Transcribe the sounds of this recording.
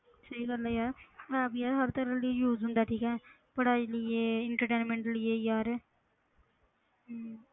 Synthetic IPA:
səiɡəlɛjaːɾabjaːɾɦəɾt̪əɾəlijuːzɦʊ̃nd̪aːʈʰiːkɛ̃ː | pəɽaːd͡ʒlɪeːɪɳʈəɾʈeːnmẽɳʈlɪeːjaːɾ

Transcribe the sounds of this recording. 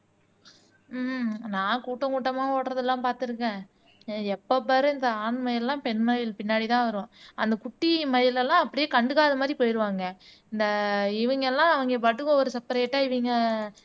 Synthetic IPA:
nãːkuːʈːɐ̃kuːʈːɐmaːoːʈɾɐðɛlːãːpaːɾt̪ɯɾɯkːẽː | ɛpːɐpːɐɾɯɪnd̪ɐaːnmɐjɪlɛlːãːpɛɳmɐjɪlpɪnːaːɽit̪ãːʋɐɾɯʋõːɐ̰nd̪ɐkʊʈːimɐjɪlɛlːãːɐpːɐɽɪjeːkɐɳɖɯkaːðɐmaːd̪ɾipoːjɾɯʋaːŋɡɐ | ɪnd̪ɐɪʋɐŋɡɐɛlːãːɐʋɐŋɡɐpɐʈːɯkːõɔɾɯsɐpːɐɾeːʈːaːɪʋiːŋɡɐ

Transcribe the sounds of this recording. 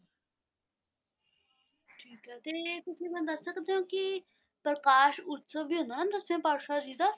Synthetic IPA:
ʈʰiːkɦɛt̪eːt̪ʊsĩːmɛ̃ːd̪əsːəkd̪eõːki | pəɾkaːʃʊt̪soːbʱiɦʊ̃naənd̪əsmẽːpaːɾʃaːd͡ʒiːd̪aː

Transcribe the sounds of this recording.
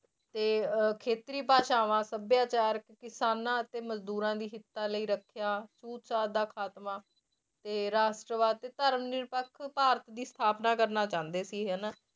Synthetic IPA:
t̪eːkʰeːt̪ɾiːpaːʃaːʋãːsəbjaːt͡ʃaːɾəkkɪsaːnãːət̪eːməzd̪uːɾãːd̪iːɦɪt̪ːãːləiːɾəkʰjaːsuːt̪t͡ʃaːd̪aːkʰaːt̪mãː | t̪eːɾaːsʈɾəʋaːd̪̚t̪eːt̪əɾmnɪɾpəkʰpaːɾət̪d̪iːst̪ʰaːpnaːkəɾnaːt͡ʃãːnd̪eːsiːɦəna

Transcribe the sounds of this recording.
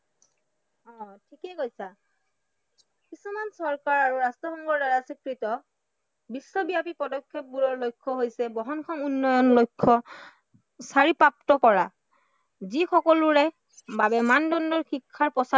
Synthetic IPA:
ɔ̃tʰikɛɡojsa | kisumansɔɹkaɹaɹuɹastɔxɔŋɡɔɹdaɹasikɹitɔ | bisːɔbiapipɔdɔkʰːep̚buɹɔɹlojkʰːɔɦojsɛbɔɦɔnkʰɔmunːɔjɔnlojkʰːɔ | saɹipɹap̚tɔkɔɹa | zixʰɔkɔlʊɹɛ | babɛmandɔndɔɹxikʰːaɹpɔsa

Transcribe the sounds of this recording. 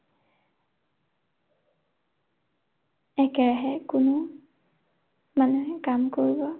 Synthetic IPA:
ɛkɛɹaɦɛkʊnu | manuɦɛkamkoɹibɔ

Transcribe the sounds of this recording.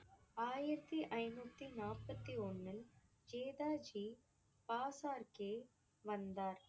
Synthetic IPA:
aːjɪɾɐt̪ːiʔɐɪnuːt̪ːinaːpːɐt̪ːiɔnːɪl | d͡ʒeːðaːd͡ʒiː | paːsaːɾkeː | ʋɐnd̪aːɾ

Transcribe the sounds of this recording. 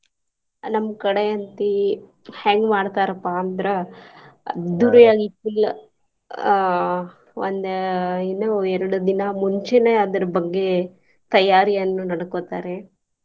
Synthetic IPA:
nɐmːkɐɽeɐnt̪i | heːŋɡmaːɽt̪aːɾɐpːaːnd̪ɐɾe | d̪uɾɐjaːɡikil | ond̪inɐɛɾɐɽud̪inɐmuɲt͡ʃeneːɐd̪ɐɾɐbɐɡːe̞ | t̪ɐjaːɾijɐnːunɐɽɐkoːt̪a̰ːɾe

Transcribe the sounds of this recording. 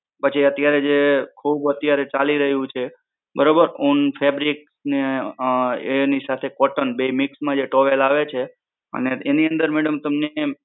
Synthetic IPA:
pət͡ʃʰiət̪jaɾed͡ʒekʰubət̪jaɾet͡ʃaliɾəɦjũt͡ʃʰe | bəɾobəɾunfʰebɾiksne | enisat̪ʰekɔʈənbeimɪksmãd͡ʒeʈoʋelaʋet͡ʃʰe | ə̰neeniənd̪əɾmeɽəmt̪əmne

